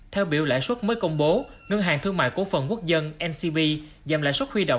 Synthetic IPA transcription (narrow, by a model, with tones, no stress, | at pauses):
t̪ʰɛ˧wɓi˧˩əwla̰ː˧˨jswə˦˥t̚məː˨˦jkə˧wŋ͡mɓo˨˦ | ŋə˧ŋɦaː˨˩ŋt̪ʰɨ˧əŋma̰ː˧˨jkṵ˧˩fə˨˩nku˦˥ək̚zə˧nʔɛ˧nsi˧ɓi˧ | zaː˨˩mla̰ː˧˨jswə˦˥t̚hwi˧ɗo̰˧˨wŋ͡m